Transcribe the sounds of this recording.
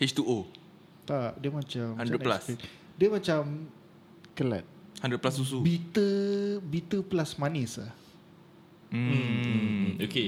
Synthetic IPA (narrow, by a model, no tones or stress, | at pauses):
het͡ʃt̪uʔo | t̪aʔdiəmãt͡ʃamhandɾɛplas | diəmat͡ʃam | kəla̰t̪̚handɾət̪̚plasus̬ubit̪əbit̪əplasmanisla̰h | oke